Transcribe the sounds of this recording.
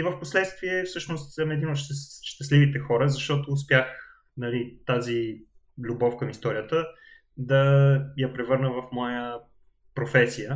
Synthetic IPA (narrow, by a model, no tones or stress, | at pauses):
ivəfposlɛt̪st̪viɛfsɤʃnost̪ɛnɛd̪inot̪ʃʃt̪ɐslivit̪ɛxɔɾəzɐʃt̪ɔt̪oːs̬pjax | nɐlit̪azi | lʲubɔfkəmist̪ɔɾijət̪ə | d̪ɐjɐpɾɛvɤɾnəvɐfmɔjə | pɾofɛsijə